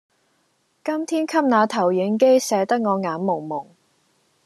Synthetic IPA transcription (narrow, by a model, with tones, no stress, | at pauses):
kɐ˥mt̪ʰiː˥nkʰɐ˥p̚naː˨˧t̪ʰɐ˨˩wjɪ˨˥ŋk̬e˥jsɛː˨˧t̪ɐ˥k̚ŋɔː˨˧ŋaː˨˥mmːʊ˨˩ŋmʊ˨˩ŋ